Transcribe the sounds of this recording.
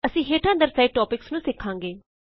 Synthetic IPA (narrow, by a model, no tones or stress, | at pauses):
əsĩːɦeːʈʰãːnd̪əɾsaiɖ̚ʈɔːpɪksnũːsɪkʰːãːŋɡeː